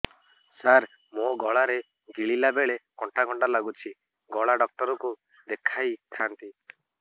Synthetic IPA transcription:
saɾ | moɡɔɭaɾe | ɡiɭilabeɭekɔɳʈaɡɔɳɖalaɡut͡ʃʰi | ɡɔɭaɖɔk̚ʈɔɾɔku | d̪ekʰajt̪ʰant̪i

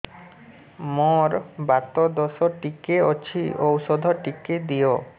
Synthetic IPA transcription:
moɾbat̪od̪ɔʃoʈikeot͡ɕʰiʔowʃod̪ʱoʈikːed̪ijo

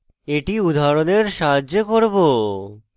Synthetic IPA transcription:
eʈiud̪ʱaɾoneɾʃaɦaʑokoɾbo

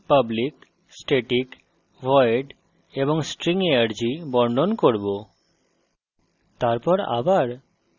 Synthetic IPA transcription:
pəblik | sʈeʈik | ʋɔjɖ | ebɔŋsʈɾiŋeaɾd͡ʒibɔɾɳɖɔnkoɾbo | t̪aɾpɔɾa̰baɾ

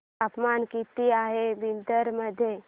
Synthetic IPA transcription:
apmankit̪iaɦeʋind̪əɾməd̪ʱːje

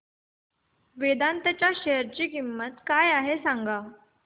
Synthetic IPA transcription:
ʋed̪ant̪ət͡ɕjaɕeɦəɾt͡ɕiːkimːət̪kajaɦesaŋɡa

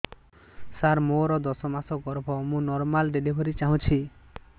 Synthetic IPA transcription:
saɾmoɾɔd̪ɔsɔmasɔɡɔɾbʱɔmũnɔɾmalɖelibʱɔɾit͡ʃaɦũt͡ʃʰi

